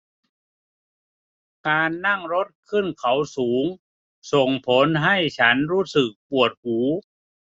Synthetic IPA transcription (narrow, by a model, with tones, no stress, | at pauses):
kaː˧nːa˥˩ŋɾo˦˥t̪̚kʰɯ˥˩nkʰa˩˦wsuː˩˦ŋ | so˨˩ŋpʰo˨˦nɦa˥˩jt͡ɕʰa˦˥nɾuː˦˥sɯ˨˩k̚pu˨˩ət̪̚huː˩˦